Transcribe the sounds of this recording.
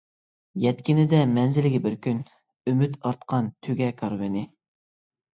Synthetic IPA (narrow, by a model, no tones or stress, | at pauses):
jɛt̪̚kʲinɪd̪ɛmɛnzɪlɪɡʲibɪɾkʲyn | ymyt̪ɑɾt̪qʰɑnt̪ʰøɡʲɛkʰɑɾvɪnɪ